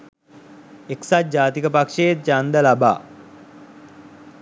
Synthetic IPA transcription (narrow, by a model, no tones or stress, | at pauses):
eksat̪̚d͡ʑaːt̪ikəpakʂejet̪̚t͡ʃand̪əlaba̰ː